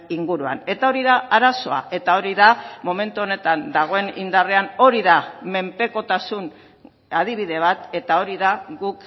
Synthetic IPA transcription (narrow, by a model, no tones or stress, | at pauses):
iŋɡuɾua̰ne̞t̪ao̞ɾiðaaɾaso̞a̰e̞t̪ao̞ɾiðamo̞me̞nt̪uo̞ne̞t̪and̪aɣ̞o̞e̞nind̪are̞ano̞ɾiðame̞mpe̞ko̞t̪asun | að̞iβ̞iðe̞β̞at̪e̞t̪ao̞ɾiðaɣuk